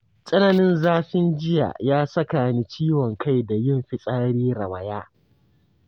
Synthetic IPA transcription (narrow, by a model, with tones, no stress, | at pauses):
sʼɐ˦na˨nɪ˦nzaː˦ɸɪ˦nd͡ʒɪ˦ja̰˨jaː˦sɐ˦kaː˨ni˦t͡ʃiː˦wɔ˨ŋka˦˨jda˨jɪ˦˨mɸɪ˨sʼaː˦ɽiː˦ɾɐ˨wa˨jaː˦